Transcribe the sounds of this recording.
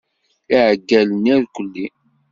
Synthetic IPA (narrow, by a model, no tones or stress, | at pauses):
iʕəɡːæləniɾkʷəlːi